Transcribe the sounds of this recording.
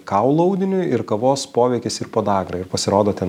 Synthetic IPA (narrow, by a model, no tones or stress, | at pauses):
kɐʊlˠʊɐʊd̪ʲɪnʲʊɪɾkɐʋoːspoːʋʲɛɪkʲɪsɪɾpoːd̪ɑːɡɾɐɪɾpɐsʲɪɾoːd̪oːt̪ʲɛn